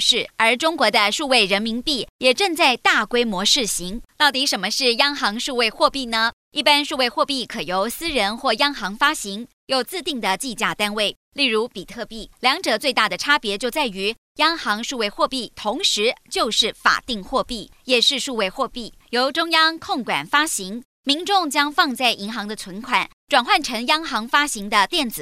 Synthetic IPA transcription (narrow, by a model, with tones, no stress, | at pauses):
ʂɻ̩˥˩ə˞˧˥ʈ͡ʂʊ˥ŋkwɔ˧˥d̪ə˧ʂu˥˧we˥˩ɪɻə˧˥nmi˧˥npi˥˩jɛ˨˩ʈ͡ʂɤ˥˧ŋt͡sa˥˧ɪt̪a˥˩kwe˥ɪmwɔ˧˥ʂɻ̩˥˩ɕi˧˥ŋt̪ɑ˥˩ʊt̪i˧˥ʂə˧˥nmə˧ʂɻ̩˥˩jɑ˥ŋxɑ˧˥ŋʂu˥˧we˥˧ɪxwɔ˥˧pi˥˩nə˩ | i˥˩pa˥nʂu˥˧we˥˧ɪxwɔ˥˧pi˥˩kʰɤ˨˩jo˧˥ʊsɹ̩˥ɻə˧˥nxwɔ˥˩jɑ˥ŋxɑ˧˥ŋfa˥ɕi˧˥ŋ | jo˥˩ʊt͡sɹ̩˥˧t̪i˥˩ŋd̪ə˩t͡ɕi˥˧t͡ɕja˥˩t̪a˥nwe˥˩ɪ | li˥˩ɻu˧˥pi˨˩t̪ʰɤ˥˧pi˥˩ljɑ˧˥ŋʈ͡ʂɤ˨˩t͡swe˥˧t̪a˥˩d̪ə˩ʈ͡ʂʰa˥pjɛ˧˥t͡ɕjo˥˧ʊt͡sa˥˩ɪy˧˥ | jɑ˥ŋxɑ˧˥ŋʂu˥˧we˥˧ɪxwɔ˥˧pi˥˩t̪ʰʊ˧˥ŋʂɻ̩˧˥t͡ɕjo˥˧ʊʂɻ̩˥˩fa̰˨˩t̪i˥˧ŋxwɔ˥˧pi˥˩ | jɛ˨˩ʂɻ̩˥˧ʂu˥˧we˥˧ɪxwɔ˥˧pi˥˩ | jo˧˥ʊʈ͡ʂʊ˥ŋjɑ˥ŋkʰʊ˥˩ŋkwa̰˨˩nfa˥ɕi˧˥ŋ | mi˧˥ŋʈ͡ʂʊ˥˩ŋt͡ɕjɑ˥ŋfɑ˥˧ŋt͡sa˥˩ɪʔi˧˥ŋxɑ˧˥ŋd̪ə˧t͡sʰwə˧˥nkʰwa̰˨˩˦n | ʈ͡ʂwa˨˩nxwa˥˩nʈ͡ʂʰɤ˧˥ŋjɑ˥ŋxɑ˧˥ŋfa˥ɕi˧˥ŋd̪ə˧t̪jɛ˥˩nt͡sɹ̩˨˩